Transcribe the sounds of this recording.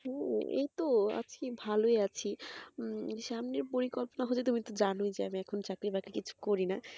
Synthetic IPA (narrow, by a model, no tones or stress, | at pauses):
ɦɛ̃ḛjt̪oa̰t͡ɕkebʱaloeat͡ɕʰi | ʃamneɾpoɾikɔlponaɦot͡ɕʰet̪umit̪od͡ʑanojd͡ʑeamiɛkʰont͡ɕakɾibakɾikit͡ɕʰu̥koɾina